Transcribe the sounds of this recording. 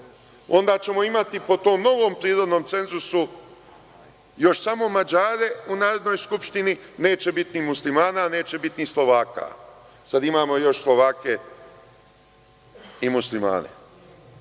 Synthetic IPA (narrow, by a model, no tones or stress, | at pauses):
o̞nd̪aːt͡ɕe̞mo̞imat̪ipo̞t̪o̞ːmno̞ʋoːmpɾiːɾod̪noːmt̪se̞nzusu | jo̞ʃsamo̞mad͡ʒaːɾe̞unaːɾod̪nojskupʃt̪inine̞ːt͡ɕe̞bit̪nimuslimaːnane̞ːt͡ɕe̞bit̪nislˠo̞ʋaːka̰ | sad̪imaːmo̞jo̞ʃslˠo̞ʋaːke̞ | imuslima̰ːnḛ